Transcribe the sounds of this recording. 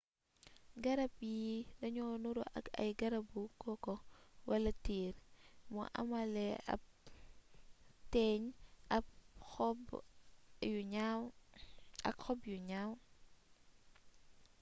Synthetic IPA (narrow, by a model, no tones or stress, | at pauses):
ɡɐɾɐb̚jidɐɲɔnuɾṵʔɐ̰kɐ̰jɡɐɾɐbukɔkɔwɐlɐtiːɾmɔ̰ʔɐ̰mɐlɛɐ̰p̚ | tɛɲɐp̚ | juɲaw | ɐ̰kxɔbjuɲaw